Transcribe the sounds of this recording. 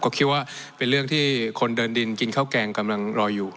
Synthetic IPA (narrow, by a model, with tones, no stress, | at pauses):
kɔː˥˩kʰi˦˥t̪̚waː˥˩pe˧nɾɯ˥˩əŋt̪ʰiː˥˩kʰo˧ndɤː˧ndi˧nki˧nkʰaː˥˩wkɛː˧ŋka˧mla˧ŋɾɔː˧juː˨˩